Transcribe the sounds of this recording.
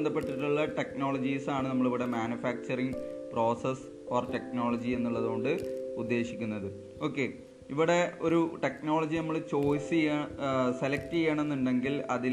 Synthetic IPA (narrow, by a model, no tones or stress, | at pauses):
nd̪ɐpːe̞ʈːiʈːuɭːɐʈe̞kno̞ːɭɐd͡ʑiːsaːɳɨnɐmːɐɭiʋiɽe̞maːnufaːk̚t͡ɕɐriŋpro̞ːses | oːrte̞k̚no̞ːɭɐd͡ʑie̞nːuɭːɐðoːɳɖɨud̪ːe̞ːɕikʲːunːɐðɨ | o̞ːkːe̞ | iʋiɽe̞o̞ɾuʈe̞kno̞ːɭɐd͡ʑinɐmːɐɭt͡ɕo̞ːsi | selɐk̚tijeːɳenːuɳɖeŋɡilɐðil